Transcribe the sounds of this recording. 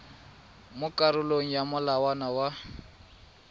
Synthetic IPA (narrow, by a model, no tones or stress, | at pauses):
mʊkʼaɾʊloŋ̩jamʊlawanawa